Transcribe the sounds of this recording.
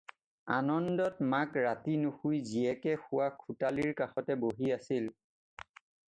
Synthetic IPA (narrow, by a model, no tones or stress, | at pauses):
a̰nɔndɔtmakɹatinuxujziɛkɛxʊwakʰutaliɹkaxɔtɛboɦiasil